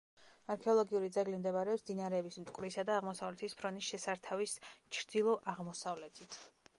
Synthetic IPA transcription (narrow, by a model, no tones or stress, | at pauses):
aɾkʰɛɔlˠɔɡiuɾid̪zɛɡlimd̪ɛbaɾɛɔsmd̪inaɾɛːbismt̪ʼkʼvlisad̪aːʁmɔsavlɛt̪ʰispʰɾɔnisʃɛsaɾt̪ʰavist͡ʃʰɾd̪ilˠɔʔaʁmɔsavlɛt̪ʰit̪ʰ